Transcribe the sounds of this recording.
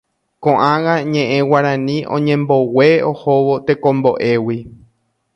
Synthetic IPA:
kõʔãɣaɲẽ̞ʔẽwaɾãnĩʔõ̰ɲẽ̞mbo̞we̞ohoʋo̞t̪ekõmbo̞ʔe̞wi

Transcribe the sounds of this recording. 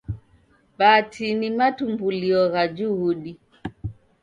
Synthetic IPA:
batʰinimatumbuliɔɣad͡ʒuuɗi

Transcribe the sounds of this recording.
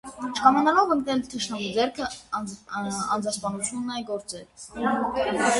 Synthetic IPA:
t͡ʃʰkʰɑmɑnɑlɔvəŋknɛlt̪ʰəʃnɑməd͡zɛɾkʰə | ɑnd͡zɑspɑnut͡sʰjunːɑjɡɔɾt͡sɛɾ

